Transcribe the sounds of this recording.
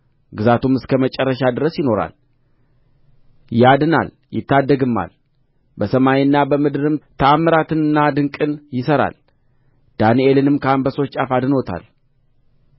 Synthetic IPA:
ɡɨzat̪ʰumɨskʰəmət͡ʃʼɛrːəʃad̪ɨɾəsjɪno̞ɾa̰l | jɪad̪ɨna̰l | jɪ̰t̪ːad̪ːəɡɨmːa̰l | bəsəmajiɨnːabəmɨd̪ɨɾɨmt̪ʰəamːɨɾat̪ɨnɨnːad̪ɨŋkʼɨnjɪsəɾa̰l | d̪̥anie̞lɨnɨmkʰəambəso̞t͡ʃʼafad̪ɨnot̪ʰa̰l

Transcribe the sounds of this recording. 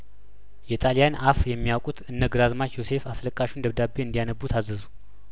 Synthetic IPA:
jɛt̪ʼalijanafjɛmːijawkʼut̪ʰɨnːəɡɨɾazmat͡ʃjose̞fasləkʼːaʃund̪əβd̪abːeɨnd̪ijanəbːut̪ʰazːɨzu

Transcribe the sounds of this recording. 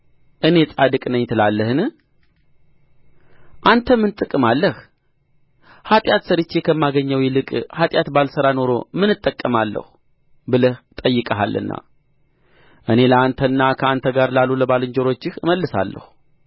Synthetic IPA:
ʔɨne̞sʼad̪ɨkʼnəɲt̪ʰɨlalːəhɨnɨ | ʔant̪ʰəmɨnt̪ʼɨkʼːɨmalːəh | hat̪ʼjat̪səɾɨt͡ʃːe̞kʰəmːaɡəɲːəwjɛlɨkʼhat̪ʼjat̪balsəɾano̞ɾo̞̰mɨnɨt̪ʼːəkʼːəmalːə̰hu | bɨləht̪ʼəjːɨkʼəɦa̰lːɨ̰nːa̰ | ʔɨne̞ləant̪ʰənːakʰəant̪ʰəɡaɾlaluləbalɨɲd͡ʒoɾo̞t͡ʃːɪhɨməlːɨsa̰lːə̰hu

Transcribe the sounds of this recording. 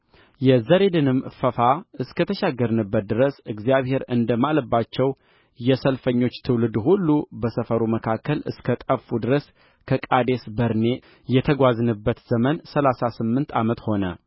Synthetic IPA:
jɛzəɾe̞d̪ɨnɨmfəfaɨskət̪ʰəʃaɡːəɾnɨbːət̪̚d̪ɨɾəsɨɡzijaβhe̞ɾɨ̰nd̪əmaləbːat͡ʃːɛw | jɛsəlfəɲːo̞t͡ʃːt̪ʰɨwlɨd̪hulːubəsəfəɾuməkʰakːəlɨ̰skʰət̪ʼəfud̪ɨɾəs | kʰəkʼad̪e̞sbəɾne̞ | jɛt̪ʰəɡʷaznɨbːət̪z̥əmənsəlasasɨmːɨnt̪ʰamət̪ho̞nə

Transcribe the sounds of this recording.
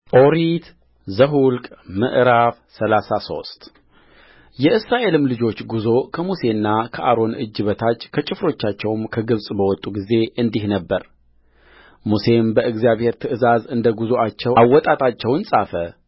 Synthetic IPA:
ʔo̞ɾit̪ | zəɦulkʼmɨ̰ʔɾaf | səlasaso̞̰st̪ʼ | jɛʔɨsɾaʔe̞lɨmlɨd͡ʒo̞t͡ʃːɡuzo̞kʰəmuse̞nːakʰəʔaɾo̞nɨ̰d͡ʒːɨβət̪ʰat͡ʃːkʰət͡ʃʼɪfɾo̞t͡ʃːat͡ʃːɛwmkʰəɡɨβsʼbəwɔt̪ʼːuɡize̞ʔɨnd̪ihnəbːəɾ | muse̞mbəʔɨɡzijaβhe̞ɾt̪ʰɨʔɨzazɨnd̪əɡuzoat͡ʃːɛwawːɔt̪ʼat̪ʼat͡ʃːɛwnsʼafə

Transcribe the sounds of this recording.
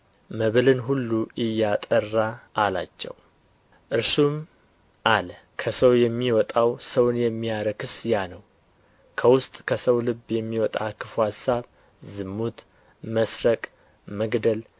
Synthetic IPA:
məβɨlɨnɦulːuʔɨjːat̪ʼərːaʔːla̰t͡ʃːɛ̰w | ʔɨɾsum | ʔalə | kʰəsəwjɛmːiwɔt̪ʼawsəwnjɛmːijaɾəkʰɨsjanəw | kʰəwʊst̪ʼkʰəsəwlɨbːjɛmːiwɔt̪ʼa̰kʰɨfuhasːaβ | zɨmːut̪ | məsɾəkʼ | məɡd̪əl

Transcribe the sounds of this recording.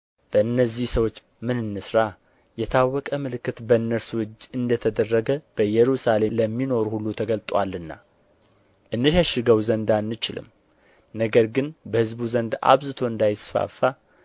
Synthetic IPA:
b̥əɨnːəzːihsəwo̞t͡ʃː | mɨnɨnːɨsɾa | jɛt̪ʰawːɔkʼəmɨlɨkːɨt̪bəɨnːəɾswʊd͡ʒːɨnd̪ət̪ʰəd̪ərːəɡəb̥əjɛɾusale̞ləmːino̞ɾuhulːut̪ʰəɡəlt̪ʼwa̰lːɨnːa̰ | ʔɨnːɨʃəʃɪɡəwzənd̪anːɨt͡ʃɪlɨ̰m | nəɡəɾɡɨnbəhɨzbuzənd̪a̰βzɨt̪ʰo̞ɨnd̪ajsfa̰fːa

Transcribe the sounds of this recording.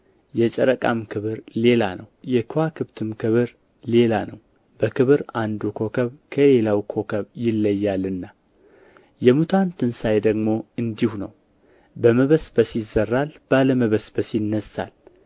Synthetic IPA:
jɛt͡ʃʼəɾəkʼa̰mkʰɨβɨɾle̞la̰nəwjɛkʰwakʰɨβt̪ʰɨmkɨβɨɾ | le̞lanəw | bəkɨβɨɾand̪ukʰo̞kʰəβkʰəle̞lawkʰo̞kʰəβjɪlːəjːalɨnːa | jɛmut̪ʰant̪ʰɨnsajd̪əɡmo̞ɨnd̪ihunəw | bəməβəsbəsɪzːərːalb̥aləməβəsbəsjnːəsːa̰l

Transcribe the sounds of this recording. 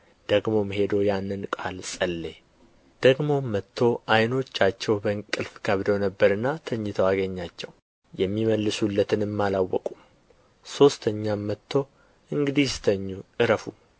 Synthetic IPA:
d̪̥əɡmo̞mɦe̞d̪o̞janːɨnkʼalsʼəlːe | d̪̥əɡmo̞mːət̪ʰːo̞ʔajno̞t͡ʃːat͡ʃːɛwbəɨŋkʼɨlfkʰəβd̪əwnəbːəɾɨnːat̪ʰəɲːɪt̪ʰəwaɡəɲːat͡ʃːɛw | jɛmːiməlːɨsulːət̪ʰɨnɨmːalawːɔ̰kʼum | so̞st̪ʰəɲːamːət̪ʰːo̞ | ʔɨŋɡɨd̪ist̪ʰəɲːuʔɨɾəfu

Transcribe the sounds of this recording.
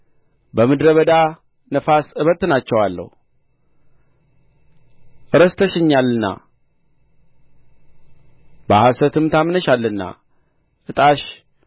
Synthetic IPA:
bəmɨd̪ɾəβəd̪a | nəfasɨβət̪ɨnat͡ʃːɛwalːə̰h | ʔɨɾəst̪ʰəʃɨɲːalːɨnːa̰ | bahasət̪ʰɨmt̪ʰamnəʃalːɨnːa̰ | ʔɨt̪ʼaʃ

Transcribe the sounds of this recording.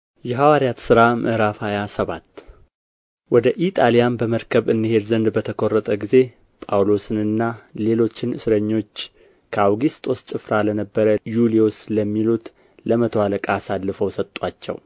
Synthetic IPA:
jɛɦawaɾjat̪sɨɾamʔɨ̰hɾafajasəβat̪ː | wɔd̪əʔit̪ʼalijanbəməɾkʰəβɨnd̪ihe̞d̪zənd̪bət̪ʰəkʰo̞rːət̪ʼəɡize̞ | pʼawlo̞sɨnɨnːale̞lo̞t͡ʃːɪnʔɨsɨɾəɲːo̞t͡ʃː | kʰəawɡist̪ʼo̞st͡ʃʼɨfɾalənəbːəɾəjuliosləmːilut̪ | ləmət̪ʰəwaləkʼasalːɨfəwsət̪ʼwat͡ʃːɛ̰w

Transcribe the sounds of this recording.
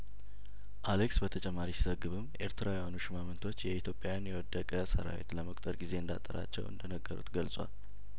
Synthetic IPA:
ʔaleksbət̪ʰət͡ʃʼɛmːaɾisizəɡɨβɨmʔe̞ɾt̪ʰɨɾawɛjanuʃɪmamɨnt̪ʰo̞t͡ʃːjɛit̪ʰjo̞pʼjajanjɛwɔd̪ːəkʼəsə̰ɾa̰wḛt̪ləməkʼt̪ʼəɾɡize̞ɨnd̪a̰t̪ʼːəɾa̰t͡ʃːɛ̰wɨ̰nd̪ənəɡːəɾṵt̪ɡəlsʼwa̰l

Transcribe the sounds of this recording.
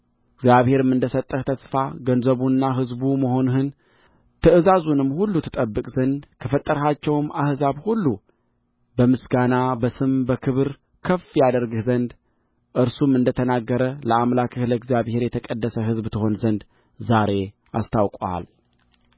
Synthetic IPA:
ɨɡzjaβhe̞ɾɨmɨnd̪əsət̪ʼːəht̪ʰəsfaɡənzəβunːaɦɨzbuməho̞nɦɨn | t̪ʰɨʔɨzazunɨmːhulːut̪ʰɨt̪ʼəbːɨkʼzənd̪kʰəfət̪ʼːəɾɦat͡ʃːɛwmʔahzaβhulːu | bəmɨsɡanabəsɨmbəkʰɨβɨɾ | kʰəfjad̪əɾɡɨhzənd̪ | ʔɨɾsumɨnd̪ət̪ʰənaɡːəɾələamlakʰɨhləɨɡzjaβhe̞ɾjɛt̪ʰəkʼəd̪ːəsəɦɨzbt̪ʰɨho̞nzənd̪ | zaɾe̞ | a̰st̪ʰawkʼa̰l

